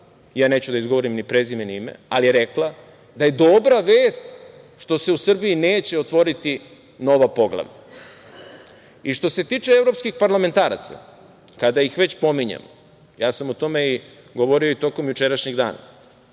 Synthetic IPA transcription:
jaːne̞ːt͡ɕud̪aizɡoʋo̞ɾimnipɾezimenimḛalijeɾe̞kla | d̪aje̞d̪o̞bɾaʋeːst̪ | ʃt̪o̞se̞usr̩biine̞ːt͡ɕe̞ot̪ʋo̞ɾit̪i | no̞ʋapo̞ɡla̰ʋʎa̰ | iʃt̪o̞se̞t̪iːt͡ʃeevɾo̞pskixpaɾlˠame̞nt̪aːɾa̰t̪sa̰ | kad̪aixʋe̞t͡ɕpo̞miɲa̰mo̰ | jaːsamot̪o̞me̞i | ɡo̞ʋo̞ɾioit̪o̞ko̞mjut͡ʃe̞ɾaʃɲeɡd̪a̰ːna̰

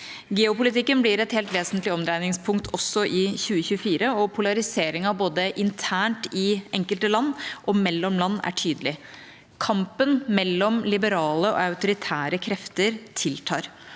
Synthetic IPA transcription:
ɡɛːʊpʊlɪt̪ɪkːənblɪɾɛt̪heːlt̪ʋeːsənt̪lɪɔmd̪ɾæɪnɪŋspʰʊŋkt̪ʰɔsːɔʔɪçʉːəçʉːəfiːɾəɔpʰʊlɑɾɪseːɾɪŋɑboːd̪əʔɪnt̪ʰæːɳʈɪɛŋkəlt̪əlɑnːʔɔmɛlːɔmlɑnːæ̰ʈʰyːd̪əlɪ | kʰɑmpənmɛlːɔmlɪbəɾɑːləɔ̰ɑʉt̪ʊɾɪt̪ʰæːɾəkʰɾɛft̪əɾt̪ʰɪlt̪ʰɑːɾ

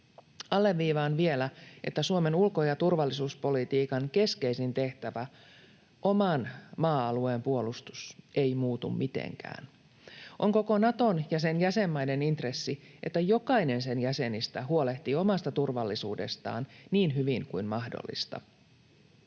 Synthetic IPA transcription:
ɑlːe̞ʋːiːʋɑːnʋie̞læʔe̞̰t̪ːæsuome̞nulkojɑt̪urʋɑlːisuːspo̞lit̪iːkɑŋke̞ske̞isint̪e̞ht̪æʋæ | ʔo̞mɑnmɑːɑlue̞ːmpuo̞lust̪usʔe̞imuːt̪ṵmmit̪ḛŋkæ̰ːn | ʔo̞ŋko̞ko̞nɑt̪onjɑsenjæsemːɑjne̞nint̪re̞sːiʔe̞t̪ːæjo̞kɑine̞nse̞njæse̞nist̪æɦuole̞ht̪io̞mɑst̪ɑt̪urʋɑlːisṵːde̞̰st̪ɑ̰ːnniːnɦyʋiŋkuinmɑhdo̰lːḭst̪ɑ̰

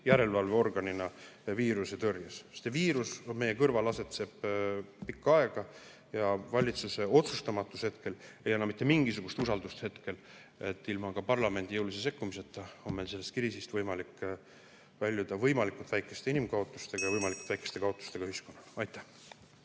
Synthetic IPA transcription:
jæɾe̞lvɑlveo̞rɡ̥ɑninɑviːɾuset̪ørjɑsst̪ːeviːɾusme̞jekɤrvɑlɑse̞t̪se̞b̥pikːɑɑe̞ɡ̥ɑ | jɑvɑlʲit̪suse̞o̞t̪sust̪ɑmɑt̪ːˑushe̞t̪ke̞le̞jɑnːɑmit̪ːe̞miŋɡisuɡ̥ust̪usɑld̪ust̪he̞t̪ke̞l | e̞t̪ːilmɑkɑpɑrlɑme̞nd̪ijɤwlis̬es̬e̞kˑːumise̞t̪ːˑɑo̞nme̞jlse̞lːe̞st̪kiɾiːsist̪vɤjmɑlik | vælʲjud̪̥ɑvɤjmɑlikːˑut̪væjkːˑe̞st̪e̞inimɡɑo̞t̪ːˑu̥st̪e̞ɡ̥ɑjɑvɤjmɑliku̥t̪væjkːˑest̪e̞kɑo̞t̪ːˑu̥st̪e̞ɡ̥ɑɯhɦisko̞nːɑlɑjt̪ːˑæ̥h

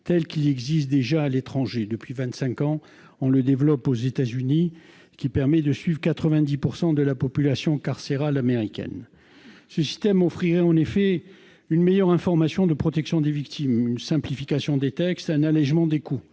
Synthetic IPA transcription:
t̪ɛlkilɛɡzist̪̚d̪eʒaːlet̪χɑ̃ʒed̪əpɥivɛ̃nt̪sɛ̃kɑ̃ | ɔ̃ləd̪evlɔpozet̪azyni | kʲipɛʁmɛd̪əsɥivʁkat̪χəvɛ̃d̪ipuʁsɑ̃d̪əlapɔpylasjɔ̃kaʁseʁalameʁikʲɛ̰n | səsi̥st̪ɛmɔfχiʁɛɑ̃nefɛ | ynmejœʁɛ̃fɔʁmasjɔ̃d̪əpχɔt̪ɛksjɔ̃d̪evikt̪ʰimynsɛ̃plifikasjɔ̃d̪et̪ɛkst̪ɛ̃nalɛʒmɑ̃d̪eku

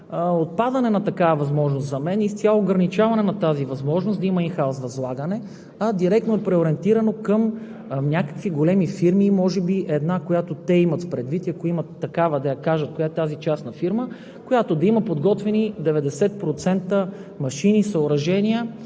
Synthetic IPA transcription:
ot̪̚pad̪ɐnɛnɐt̪ɐkavɐvɐzmɔʒnost̪zɐmɛnist̪sʲalˠoːɡɾɐnit͡ʃavɐnɛnɐt̪azivɐzmɔʒnosd̪ɐimɐinxaosvɐzlˠaɡənɛ | ɐd̪iɾɛk̚t̪noɛpɾɛoɾɛnt̪iɾɐnokəm | nʲakə̥kviɡolɛmifiɾmimɔʒɛbiʔɛd̪nakojat̪ot̪ɛimɐt̪pɾɛd̪vit̪iɐkoimət̪ːɐkavəd̪ɐjɐkaʒət̪̚kojaɛt̪azit͡ʃasnɐfiɾmə | kojat̪od̪ɐimɐpod̪ɡɔt̪vɛnid̪ɛvɛd̪ɛsɛt̪̚pɾot̪sɛnt̪ə | mɐʃinisɐoɾɐʒɛnʲiə

